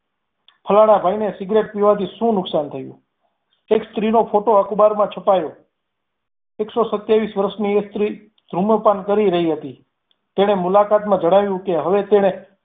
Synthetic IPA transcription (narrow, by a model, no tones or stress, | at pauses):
pʰəlaɽ̃abʱainesɪɡɾeʈ̚piʋat̪iʃũnʊksant̪ʰəjṵ̃ | ekst̪ɾinopʰoʈoəkbaɾmãt͡ʃʰəpajo | eksosət̪jaʋisʋəɾəʃniest̪ɾi | d̪̥ʱɾuməpankəɾiɾəɦiɦət̪i | t̪eɽ̃emʊlakat̪mãd͡ʒəɽ̃aʋjũkeɦəʋet̪eɽ̃e